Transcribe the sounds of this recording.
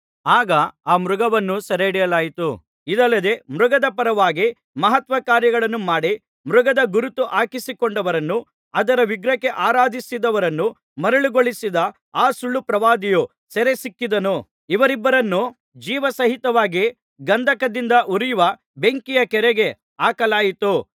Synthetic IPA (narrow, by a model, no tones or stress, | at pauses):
aːɡɐaːmɾuɡɐʋɐnːusɐɾeɽijɐlaːjit̪u | id̪ɐlːɐd̪e̞mɾuɡɐd̪ɐpɐɾɐʋaːɡi | mɐɦɐt̪ʋɐkaːɾjɐɡɐɭɐnːumaːɽi | mɾuɡɐd̪ɐɡuɾut̪uʔaːkisikoɳɖɐʋɐɾɐnːu | ɐd̪ɐɾɐʋiɡɾɐkːe̞ʔaːɾaːd̪ʱisid̪ɐʋɐɾɐnːu | mɐɾɐɭiɡoɭisid̪ɐ | aːsuɭːupɾɐʋaːd̪iju | sɛɾesikːid̪ɐnu | iʋɐɾibːɐɾɐnːu | d͡ʒiːʋɐsɐɦit̪ɐʋaːɡi | ɡɐnd̪ʱɐkɐd̪ind̪ɐʔuɾijuʋɐ | be̞ŋkijɐkɛɾeɡe̞ | aːkɐlaːjit̪u